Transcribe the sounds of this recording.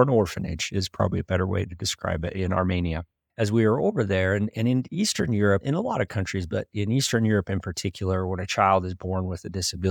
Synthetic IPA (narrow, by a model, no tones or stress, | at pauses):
nɔɹfɨ̃nɪ̰d͡ʒɪz̥pʰɹ̥ɑ̰bəbliɨbɛɾə˞wḛɪɾɨdɨskɹa̰ɪbɪɾɪ̃nɑ̰ɹmẽɪ̃niɨ | ɨzwiə˞oʊvə˞ðə˞ɨ̃nɨ̃nɨ̃nistə̃˞njʊɹɨpɨ̃nəlɔɾʌv̥kʰʌ̃nt͡ʃɹ̥izbʌɾɪ̃nistə̃˞njʊɹɨpɨ̃npʰə˞tʰɪkʰjl̩ˠə˞wə̃nɨt͡ʃʰaɪlˠdɨzbɔɹnwɨðɨdɪsɨbɪ